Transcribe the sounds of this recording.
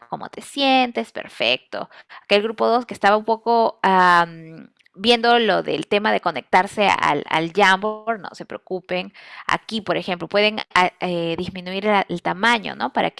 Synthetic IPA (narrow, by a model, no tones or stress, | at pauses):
komo̞̰t̪e̞sje̞nt̪espe̞̰ɾfe̞̰k̚t̪o̞̰ake̞lɣɾupo̞ðo̞skeːst̪aβaumpo̞ko̞am | bje̞nd̪o̞lo̞ðe̞̰lt̪e̞maðe̞ko̞ne̞k̚t̪aɾse̞a̰la̰lʝamboɾno̞̰se̞pɾeokupe̞na̰kipoɾe̞xe̞mplo̞pwe̞ðe̞naeðizmĩnuiɾaʔelt̪amãɲo̞̰no̞̰paɾa̰k